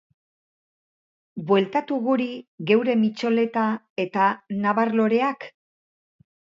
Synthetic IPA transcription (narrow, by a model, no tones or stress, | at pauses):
bwe̞lt̪at̪uɣuɾiɣe̞wɾe̞mit͡ʃo̞le̞t̪a | e̞t̪anaβaɾlo̞ɾe̞ak